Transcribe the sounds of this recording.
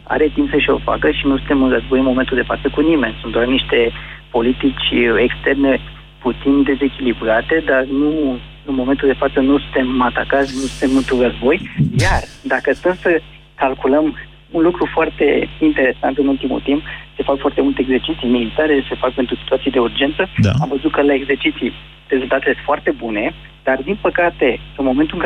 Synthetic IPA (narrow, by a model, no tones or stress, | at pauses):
a̰ɾe̞t̪impsəʃio̞̰fa̰kəʃinusunt̪e̞mɨnrəzbo̞jɨnmo̞me̞nt̪uld̪e̞fa̰t̪səkunime̞nsunt̪d̪warniʃt̪e̞po̞lit̪it͡ʃʲe̞kst̪e̞rne̞ | put̪sind̪e̞ze̞kʲilibɾat̪e̞d̪arnu | ɨnmo̞ment̪uld̪e̞fat̪sənusu̥nt̪e̞mat̪akat̪sʲnusunt̪e̞mɨnt̪urəzbo̞jjard̪akəst̪əmsə | kalkuləm | unlukɾufoart̪e̞int̪e̞ɾe̞sa̰nt̪ɨnult̪imṵlt̪impse̞fakfoart̪e̞mult̪eeɡze̞rt͡ʃit̪sijmilit̪aɾese̞fak̚pe̞nt̪ɾusit̪uat̪sied̪e̞urd͡ʒe̞nt̪səa̰mvəzut̪̚kəlae̞ɡzert͡ʃit̪sij | re̞zult̪at̪elesfoart̪e̞bune̞ | d̪̥ard̪inpəkat̪e̞ɨnmo̞ment̪ulɨŋk